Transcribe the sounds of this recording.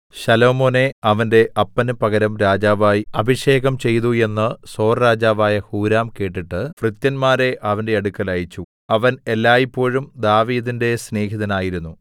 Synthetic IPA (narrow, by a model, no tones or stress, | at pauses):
ɕɐlo̞ːmo̞ːne̞ɐʋɐnde̞ʔʔɐpːɐnɨpɐɣɐɾɐmɾaːd͡ʑaːʋaːjiɐbʱiʂe̞ːɣɐmt͡ɕe̞jt̪ue̞nːɨso̞ːrɾaːd͡ʑaːʋaːjɐhuːɾaːmke̞ːʈːiʈːɨfrɨt̪jɐnmaːɾe̞ʔɐʋɐnde̞ɐɽukːɐlaːjit͡ɕːu | ɐʋɐne̞lːaːjipːo̞ːɻumd̪aːʋiːðinde̞sne̞ːɦiðɐnaːjiɾunːu